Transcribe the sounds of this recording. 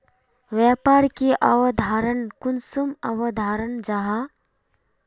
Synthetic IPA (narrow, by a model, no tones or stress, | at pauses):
ʋapaɾkiʔɐwəd̪ʱaɾənkunsuməwəd̪ʱaɾənd͡ʒaɦa